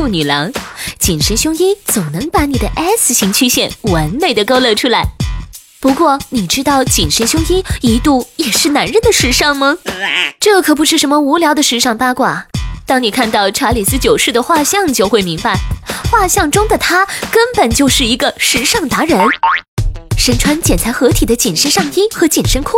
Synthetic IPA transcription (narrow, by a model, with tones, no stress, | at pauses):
u˥˩ny˨˩lɑ˧˥ŋt͡ɕi˨˩nʂə˧˥nɕjʊ˥ŋi˥nt͡so˨˩ʊnɤ˧˥ŋpa˧˥ni˨˩d̪ə˦ʔɛ˥sɕi˧˥ŋt͡ɕʰy˥ɕjɛ˥˧˩nwə˧˥nme˨˩ɪd̪ə˩ko˥ʊlɤ˥˧˩ʈ͡ʂʰu˥la˧˥ɪ | pu˧˥kwɔ˥˩ni˨˩ʈ͡ʂɻ̩˥t̪ɑ˥˩ʊt͡ɕi˨˩nʂə˧˥nɕjʊ˥ŋi˥ni˧˥t̪u˥˩jɛ˨˩ʂɻ̩˥˩na˧˥nɻə˥˩nd̪ə˩ʂɻ̩˧˥ʂɑ˥˩ŋmɐ˧ʈ͡ʂɤ˥˩kʰɤ˨˩p̬u˧˥ʂɻ̩˥˩ʂə˧˥nmə˧u˧˥ljɑ˧˥ʊd̪ə˧ʂɻ̩˧˥ʂɑ˥˩ŋpa˥kwa˨˩t̪ɑ˥ŋni˨˩kʰa˥˧nt̪ɑ˥˩ʊʈ͡ʂʰa˧˥li˨˩sɹ̩˥t͡ɕjo˨˩ʊʂɻ̩˥˩d̪ə˩xwa˥˧ɕjɑ˥˧ŋt͡ɕjo˥˧ʊxwe˥˩ɪmi˧˥ŋpa˧ɪxwa˥˧ɕjɑ˥˩ŋʈ͡ʂʊ˥ŋd̪ə˨t̪ʰa˥kə˥npə˨˩nt͡ɕjo˥˧ʊʂɻ̩˥˩i˧˥ɡə˧ʂɻ̩˧˥ʂɑ˥˩ŋt̪a˧˥ɻə˧˥n | ʂə˧˥nʈ͡ʂʰwa˧˥nt͡ɕjɛ˨˩nt͡sʰa˧˥ɪxɤ˧˥t̪ʰi˨˩d̪ə˦t͡ɕi˨˩nʂə˥nʂɑ˥˧ŋi˥xɤ˧˥t͡ɕi˨˩nʂə˥nkʰʊ˥˩